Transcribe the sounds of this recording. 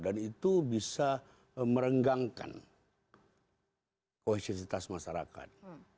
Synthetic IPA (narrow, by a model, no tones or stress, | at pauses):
danit̪ubisa | məɾəŋɡaŋka̰n | kohisisit̪asmaʃaɾaka̰t̪̚